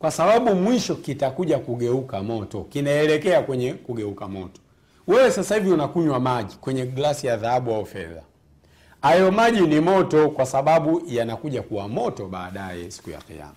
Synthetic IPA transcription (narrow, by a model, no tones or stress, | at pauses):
kwasaɓaɓumwiʃɔkitakuʄakuɠɛukamɔtɔkinaɛlɛkɛakwɛɲɛkuɡɛukamɔtɔ̥ | wɛwɛsasahiviunakuɲwamaʄikwɛɲɛɡlasijaðaaɓuaufɛ̰ða̰ | ajɔmaʄinimɔtɔkwasaɓaɓujanakuʄakuwamɔtɔɓaːɗajɛ̰si̥kuja̰qḭa̰ma